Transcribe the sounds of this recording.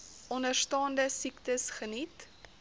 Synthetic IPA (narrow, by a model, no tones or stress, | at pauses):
ʔɔnərstɑːndəsiktəsχənit